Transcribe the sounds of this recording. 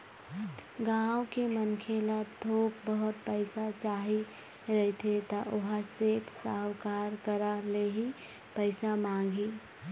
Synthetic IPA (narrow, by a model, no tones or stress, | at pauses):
ɡawkemənkʰelad̪ʱokbəɦʊt̪̚pəɪsat͡ʃaɦi | ɾəɦit̪ʰet̪aʔoɦaseːʈsawkaɾkəɾaleɦi | pəɪsamãːŋ̆ɡʱi